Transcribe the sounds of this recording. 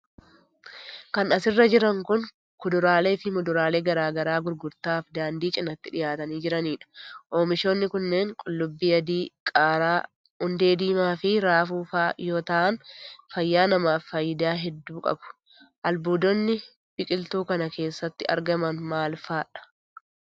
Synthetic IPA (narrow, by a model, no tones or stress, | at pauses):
kɐnɐsɪrːɐd͡ʒɪɾɐŋkʊn | kʊd̪ʊɾaːle̞ːt̪ɪmʊd̪ʊɾaːle̞ːɡɐɾaːɡɐɾaːɡʊɾɡʊɾt̪aːfd̪aːnd̪iːt͡ʃʼɪnɐt̪ːɪᶑɪjaːt̪ɐniːd͡ʒɪɾɐniːᶑɐ̥ʔo̞ːmɪʃoːnːɪkʊnːe̞ːŋkʼʊlːʊbːiːɐd̪iːkʼaːɾaː | ʊnd̪e̞ːd̪iːmaːfɪɾaːfuːfaːjo̞ːt̪ɐʔɐnfɐjːaːnɐmaːfːɐjɪd̪aːɦɛd̪ːuːkʼɐ̰bʊ̥ | ʔɐlbuːd̪ɔnːɪ | b̥ɪkʼɪlt̪uːkɐnɐkʰe̞ːsːɐt̪ːɪɐ̰ɾɡɐmɐnmaːlfaːᶑɐ̥